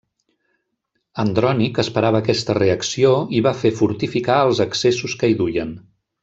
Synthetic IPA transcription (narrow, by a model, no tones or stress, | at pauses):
ənd̪ɾɔnikəspəɾaβəːkɛst̪əreəksioiβafefuɾt̪ifikaəlˠzəksesuskəiðujən